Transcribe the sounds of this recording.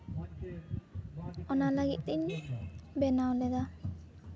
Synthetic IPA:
ɔnalaɡit̪̚ˀd̪iɲ | bɛnawlɛd̪a

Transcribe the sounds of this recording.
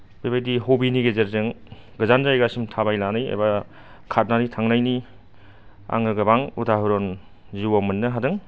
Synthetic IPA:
bibajdiɦobiniɡezeɾzɯŋɡɯzanzajɡasimtʰabajlanɯjḛba | kʰat̚naɾitʰaŋnajni | a̰ŋɾɯɡɐbaŋutʰaɦɯɾon | ziwamɯnːɯɦadɯŋ

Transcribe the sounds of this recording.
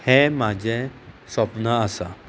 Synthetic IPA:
hemad͡ʑʱesʋəpnaəsa

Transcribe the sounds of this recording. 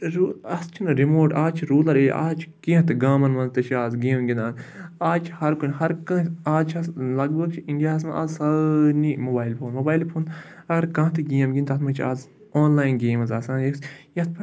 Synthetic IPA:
ɾuɐst͡ʃʰinɨɾimoːʈaːt͡ʃʰiɾuːlɐɾḛːʔa̰ːt͡ʃʰkĩt̪ɨɡaːmɐnmɐnt̪ɐt͡ʃʰiaːzɡeːmɡʲinaːnaːt͡ʃʰhɐɾkunʲɦɐɾkɐ̃aːzt͡ʃʰɐslɐɡbɐɡ̚t͡ʃʰiiɳɖijaːsmɐʔɐzsɐnimobaːilpʰoːnmoːbaːjlpʰoːn | ɐɡɐɾkɐ̃ːɦt̪ɨɡiːɐmɡʲint̪ɐt̪ʰmɐt͡ʃʰaːz | oːnlaːjinɡeːmɐzaːsãːnjesjɐt̪̚ʰpʰ

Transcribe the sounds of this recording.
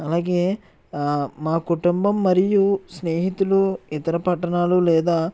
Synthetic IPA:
ɐlaːɡe̞ː | maːkuʈumbɐmːɐɾijusneːɦit̪uluit̪ɐɾɐpɐʈːɐɳaːlulɛːd̪aː

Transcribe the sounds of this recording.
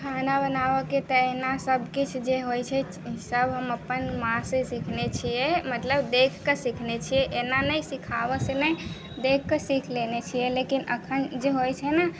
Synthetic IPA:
kʰanabənaʋɔket̪əeɦnasəbkit͡ʃʰd͡ʒeɦojt͡ʃʰɛ | səbɦəməpːənmãsesikʰnet͡ʃʰijɛmət̪ləbd̪ekʰkesikʰnet͡ʃʰijɛʔenanəjsikʰabɔsenɛj | d̪ekʰkesikʰlenet͡ʃʰijɛlekinə̰kʰənd͡ʒeɦojt͡ʃʰɛna

